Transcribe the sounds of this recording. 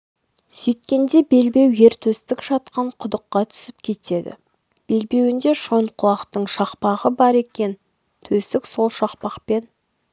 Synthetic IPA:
sɵjt̪kʲe̞nd̪e̞be̞lbe̞wje̞ɾt̪ʰɵst̪ɪkʒɑt̪qɑɴqʰʊd̪əqːɑt̪ʰʏ̥sɪp̚kʲʰe̞t̪e̞d̪ɪ̰ | b̥e̞lbe̞wɪnd̪e̞ʃo̞nqʰʊlˠɑqt̪əɴʃɑqpɑʁəbɑɾe̞kʲe̞n | t̪ʰɵsɪkso̞lˠʃɑqpɑqpe̞n

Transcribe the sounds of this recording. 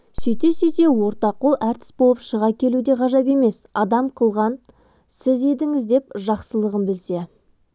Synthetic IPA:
sɵjt̪e̞sɵjt̪e̞wo̞ɾt̪ɑqolˠæɾt̪ʰɪ̥sbolˠəpʃəʁɑkʲʰe̞lud̪e̞ʁɑʒɑpe̞me̞sɑd̪ɑmqʰəlˠʁɑn | sɪze̞d̪ɪŋɪzd̪e̞p̚ʒɑqsəlˠəʁəmbɪlse̞

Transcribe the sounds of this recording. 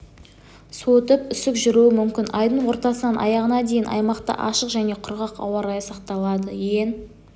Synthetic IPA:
sot̪əpʏsɪkʒʏɾuɪmʏmkʲɪnʔɑjd̪əɴwo̞ɾt̪ɑsənɑnʔɑ̰jɑʁənɑd̪e̞jɪnʔɑ̰jmɑqt̪ə̰ʔɑ̰ʃəqʒæne̞qʰʊɾʁɑqɑ̰wɑɾɑjəsɑqt̪ɑlˠɑd̪əjen

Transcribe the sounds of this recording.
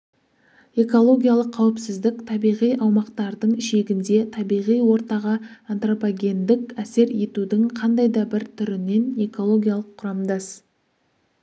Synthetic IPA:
e̞ko̞lˠo̞ɡʲijalˠəqʰːɑwɪpsɪzd̪ɪkt̪ʰɑbijʁijʔɑwmɑqt̪ɑɾd̪əɴɪʃe̞ɡʲɪnd̪e̞t̪ʰɑbijʁijwo̞ɾt̪ɑʁɑant̪ropaɡʲe̞nd̪ɪkæse̞ɾje̞t̪ud̪ɪŋqʰɑnd̪ɑjd̪ɑbɪɾt̪ʰʏɾɪne̞ne̞ko̞lˠo̞ɡʲijalˠəqʰːʊɾɑmd̪ɑs

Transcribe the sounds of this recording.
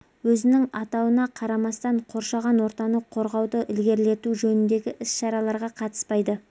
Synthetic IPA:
wɵzɪnɪŋɑt̪ɑwənɑqʰɑɾɑmɑst̪ɑɴqʰo̞ɾʃɑʁɑnwo̞ɾt̪ɑnəqʰo̞ɾʁɑwd̪əʔɪlɡʲe̞ɾle̞t̪uʒɵnɪnd̪e̞ɡʲɪʔɪsʃɑɾɑlˠɑɾʁɑqʰɑt̪ə̥spɑjd̪ə

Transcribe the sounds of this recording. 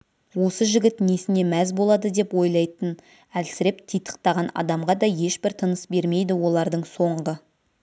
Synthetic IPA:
wo̞səʒɪɡʲɪt̪nesɪne̞mæzbo̞lˠɑd̪əd̪e̞pwo̞jlˠɑjt̪ən | ælsɪɾe̞pt̪ʰijt̪ʰə̥q̚t̪ɑʁɑnɑ̰d̪ɑmʁɑd̪ɑje̞ʃbɪɾt̪ʰənəsbe̞ɾme̞jd̪ɪwo̞lˠɑɾd̪əɴso̞ɴʁə

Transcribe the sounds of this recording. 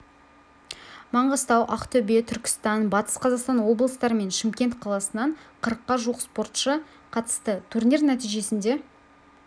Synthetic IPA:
mɑɴʁɑst̪ɑwʔɑqt̪ʰɵbe̞t̪ʰʏɾkʲɪ̥st̪ɑnbɑt̪ə̥sqʰɑzɑqst̪ɑnwo̞blˠəst̪ɑɾəme̞nʃɪmkʲe̞nt̪qʰɑlˠɑsənɑɴqʰəɾəqːɑʒuəqspo̞rt̪ʃə | qʰɑt̪ə̥st̪ət̪ʰurnʲernæt̪ijʒe̞sɪnd̪e̞

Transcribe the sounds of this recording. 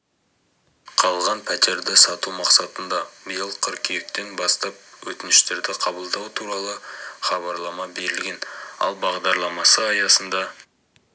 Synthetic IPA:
qʰɑlˠʁɑnpʰæt̪e̞ɾd̪ɪsɑt̪umɑqsɑt̪ənd̪ɑbəjəlˠqʰəɾkʲʰijek̚t̪e̞nbɑst̪ɑp̚wɵt̪ɪnɪʃt̪e̞ɾd̪ɪqʰɑbəlˠd̪ɑwt̪ʰuɾɑlˠəχɑβɑɾlˠɑmɑbe̞ɾɪlɡʲe̞nɑ̰lˠbɑʁd̪ɑɾlˠɑmɑsəɑjɑsənd̪ɑ

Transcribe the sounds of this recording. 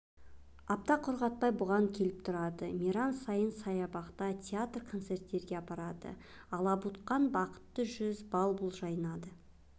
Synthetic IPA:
ɑp̚t̪ɑqʰʊɾʁɑt̪̚pɑjbʊʁɑŋkʲʰe̞lɪp̚t̪ʰʊɾɑd̪əmʲiɾɑnsɑjənsɑjɑbɑqt̪ɑt̪ʲʰeat̪rkʰo̞nt̪se̞rt̪ːe̞ɾɡʲe̞ɑpɑɾɑd̪ə̰ | ɑlˠɑbut̪qɑnbɑqə̥t̪ːəʒʏzbɑlˠbʊlˠʒɑjənɑd̪ə

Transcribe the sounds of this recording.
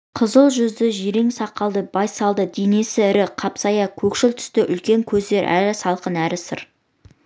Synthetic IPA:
qʰəzəlˠʒʏzd̪ɪʒeɾeŋsɑqːɑlˠd̪əbɑjsɑlˠd̪əd̪ene̞sɪɪɾɪqʰɑpsɑjɑkʲʰɵkʃɪlt̪ʰʏ̥st̪ɪʔʏ̰lkʲe̞ŋkʲʰɵzd̪e̞ɾʔæ̰ɾɪsɑlˠqənæɾɪsə̰ɾ

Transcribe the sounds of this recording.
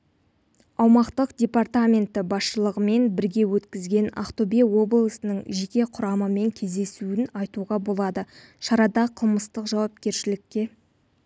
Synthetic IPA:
ɑwmɑqt̪əqdʲe̞part̪amʲe̞nt̪ɪbɑsʃəlˠəʁəme̞nbɪɾɡʲe̞wɵt̪kʲɪzɡʲe̞na̰χt̪obewo̞blˠəsənəɴʒe̞kʲe̞qʰʊɾɑməme̞ŋkʲʰe̞zd̪e̞suɪnɑjt̪uʁɑbo̞lˠɑd̪ə | ʃɑɾɑd̪ɑqʰəlˠməst̪əqʒɑwɑp̚kʲe̞ɾʃɪlɪkʲːe̞

